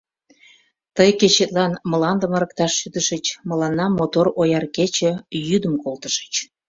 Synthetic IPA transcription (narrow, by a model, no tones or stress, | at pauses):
t̪əjket͡ɕet̪lɑnməlɑnd̪əməɾək̚t̪ɑʃːyd̪əʃət͡ɕməlɑnːɑmot̪orojɑrket͡ɕə̆jyd̪əmkolt̪əʃə̥t͡ɕ